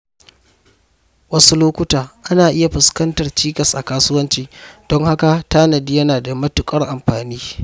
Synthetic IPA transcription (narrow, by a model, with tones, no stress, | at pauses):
wɐ˦su˦loː˦kʷʊ˦taː˨ʔa˦naː˨ʔɪ˦ja˨ɸɪ˨skɐ˦ntɐ˨rt͡ʃiː˦kɐ˨sʔa˨kaː˦sʊ˦wɐ˦nt͡ʃiː˦d̥ɔ˦ŋha˦ka˨taː˦nɐ˨di˦jɐ˦naː˨da˨mɐ˦tʊ˨kʼɐ˦rʔa˨mɸaː˨niː˦